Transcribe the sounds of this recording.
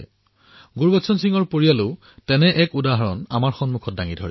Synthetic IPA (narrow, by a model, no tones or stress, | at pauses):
ɡuɹbɔtsɔnsiŋɔɹpoɹijalʊ | tɛnɛʔɛkudaɦaɹɔna̰maɹxɔnmukʰɔt̚daŋidʱɔ̰ɹi